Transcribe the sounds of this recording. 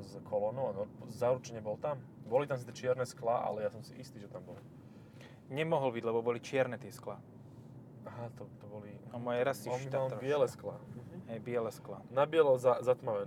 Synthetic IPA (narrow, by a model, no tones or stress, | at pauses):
zkʰɔlɔnɔʊanɔpzaːɾut͡ʃɲɛbɔlt̪ambɔlit̪amsit͡sɛt͡ʃɪɛɾnɛsklaʔa̰lɛjasɔmsiʔist̪iːʒɛt̪ambɔl | ɲɛmɔɦɔlbiɟlɛbɔbɔlit͡ʃɪɛɾnɛt̪ɪɛskla | aɦat̪ɔt̪ɔbɔliamɔjɛɾasiɔʃialbɪɛlɛsklaɦɛjbɪɛlɛsklanabɪɛlɔzazat̪maʋɛn